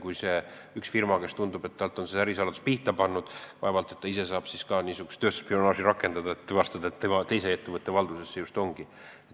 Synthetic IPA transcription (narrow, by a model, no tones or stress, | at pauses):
kujse̞ | yksfirmɑke̞st̪und̪ub̥e̞t̪ːɑlt̪ˑo̞nse̥æɾisɑlɑd̪uspiht̪ɑpɑnːud̪̥vɑevɑlt̪ːˑe̞t̪ːɑise̞sɑːb̥siskɑniːsuɡ̥ust̪ːøːst̪u̥spio̞nɑːʒiɾɑkːˑe̞nd̪̥ɑd̪ɑet̪ːevɑst̪ɑd̪ɑet̪ːemɑt̪e̞jse̞et̪ːe̞vɤt̪ːˑe̞vɑld̪usesːeust̪o̞ŋɡ̥i | et